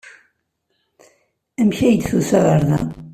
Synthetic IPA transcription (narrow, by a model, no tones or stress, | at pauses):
æmçæjəd̪θuθæʁəɾðæ̰